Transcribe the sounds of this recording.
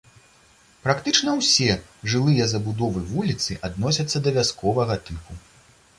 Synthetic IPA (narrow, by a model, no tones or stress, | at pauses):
pɾakt̪ɨt͡ʂnɐwsʲɛʐɨlˠɨjɐzɐbud̪ɔvɨvulʲit̪sɨʔad̪nɔsʲɐt̪sːɐd̪ɐvʲaskʰɔvɐɣɐt̪ɨpu